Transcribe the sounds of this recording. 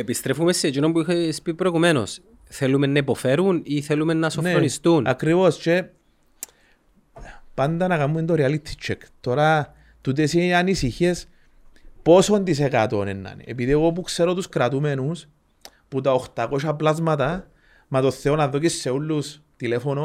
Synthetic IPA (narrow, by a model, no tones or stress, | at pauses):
epist̪ɾefumesːet͡ʃinombuixespipɾoɣumeno̰s | θelumenːɐipofeɾuniθelumenːɐsoneonist̪unakɾivost͡ʃe | pand̪anakamːuind̪oɾialit̪ʰːi̥t͡ʃʰːekt̪o̞ɾa | t̪ut̪̬esianisiçes | po̞sond̪is̬ekat̪onḛnːa̰nḛpiðioɣop̬ukseɾot̪uskɾat̪umenus | put̪aoxt̪akoʃaplazmat̪̬a | mat̪oθːeonaðːokisːeulːus | t̪ilefono